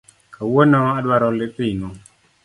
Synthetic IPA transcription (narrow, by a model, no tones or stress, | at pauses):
kʰawonɔadwaɾɔlɪtɪnɔ